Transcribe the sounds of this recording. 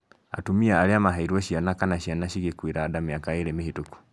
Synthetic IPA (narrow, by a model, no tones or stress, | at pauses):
a̰tumiaːɾeamaɦaiɾuɔɕianakanaɕianaɕiɣekweɾaːdameakaeɾemehetoku̥